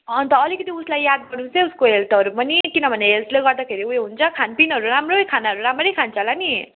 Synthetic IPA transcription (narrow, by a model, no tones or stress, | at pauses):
ʌnt̪ʌːlikʌt̪iuslajjad̪̚ɡʌɽnũseuskoɦelt̪ʌɾupʌnikinʌbʱʌneɦelt̪leɡʌrd̪akʰeɾiuɦeɦunt͡sʰʌkʰanpinɦʌɾuɾamrokʰanaɦʌɾuɾamɾʌjkʰant͡sʰalani